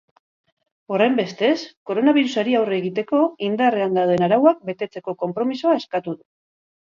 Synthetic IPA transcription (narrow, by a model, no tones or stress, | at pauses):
o̞re̞mbe̞st̪e̞sko̞ɾo̞naβ̞iɾusaɾiawreːɣit̪e̞ko̞ind̪are̞and̪awðe̞naɾawak̚be̞t̪e̞t͡se̞ko̞ko̞mpɾo̞misoae̞skat̪uðu